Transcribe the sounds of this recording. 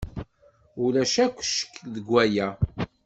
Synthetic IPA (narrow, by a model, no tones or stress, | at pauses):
ulæʃækʷːʃə̥kðəɡʷːæjæ